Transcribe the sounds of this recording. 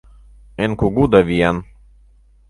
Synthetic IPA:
enkuɡud̪ɐʋijan

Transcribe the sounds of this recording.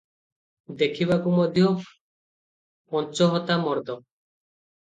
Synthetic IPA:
d̪ekʰiβakumɔd̪ʱjɔ | pɔnt͡ʃɔɦɔt̪amɔɾd̪ɔ

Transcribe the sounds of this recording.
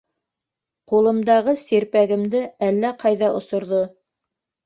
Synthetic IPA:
qulˠɤ̆md̪ɑʁɤsiɾpæɡɘ̆md̪ɘælːæqɑjðɑʔŏsŏɾðo

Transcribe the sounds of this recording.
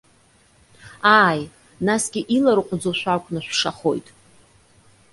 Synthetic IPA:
aːj | nasɡʲɪʔilaɾqʷʰʼʊd͡zoʃʷᶣakʷʰʼnɨʃʷʂaχo̞̰jtʼ

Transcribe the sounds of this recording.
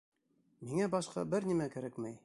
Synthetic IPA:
miŋæbɑʃqɑ̰bɘɾnʲimækæɾækmæj

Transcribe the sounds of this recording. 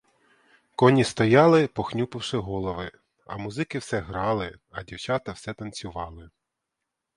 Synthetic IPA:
kɔnʲist̪ɔjɑlˠɪpɔxnʲupɪwʃɪɦɔlˠɔʋɪ | ɐ̰muzɪkɪwsɛɦɾɑlˠɪɐdʲiwt͡ʃɑt̪ɐwsɛt̪ɐnʲt͡sʲʊʋɑlˠɪ

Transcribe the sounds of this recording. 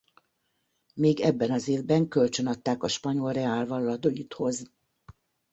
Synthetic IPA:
meːɡɛbːɛnɒzeːvbɛŋkø̞lt͡ʃø̞nɒt̪ːaːkɒʃpɒɲo̞lrɛaːlvɒlɒlɒd̪oit̪ho̞z

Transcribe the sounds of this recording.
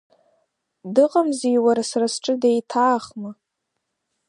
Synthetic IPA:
dɨqʼamzijwaɾasarasʈ͡ʂʼɨdejtʰaːχma

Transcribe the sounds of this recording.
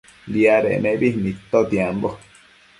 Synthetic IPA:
liaɾḛnẽbinit̪ːot̪iambo

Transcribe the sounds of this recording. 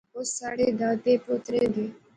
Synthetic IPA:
osaːɽeːd̪ãːt̪eːpʊt̪ɾeːd̪eː

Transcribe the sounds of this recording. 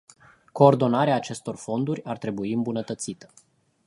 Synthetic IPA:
ko̞ːrd̪o̞naɾeaːt͡ʃe̞st̪o̞rfo̞nd̪uɾʲart̪ɾe̞buiɨmbunət̪ət̪sit̪ə̥

